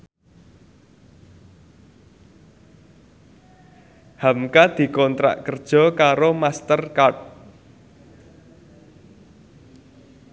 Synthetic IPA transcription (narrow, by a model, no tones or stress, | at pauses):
hamkad̪̥i̤kɔnt̪ɾa̰ʔkərd̥ʒ̥ɔ̤kaɾomast̪ərkaʈ̚